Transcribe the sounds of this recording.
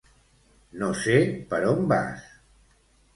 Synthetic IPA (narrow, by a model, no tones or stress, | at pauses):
nosepəɾomba̰s